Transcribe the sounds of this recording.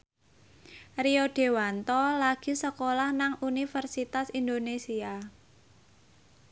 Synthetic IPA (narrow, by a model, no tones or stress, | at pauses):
rioɖ̥e̤want̪ɔlaɡ̥i̤səkolahnaŋunifərsit̪asind̪onesia